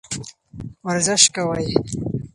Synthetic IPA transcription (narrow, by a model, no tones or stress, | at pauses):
waɾzɪʃkawaj